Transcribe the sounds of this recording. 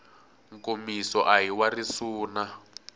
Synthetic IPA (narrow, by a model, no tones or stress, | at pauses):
ŋkomisɔʔaɦiwarisuːna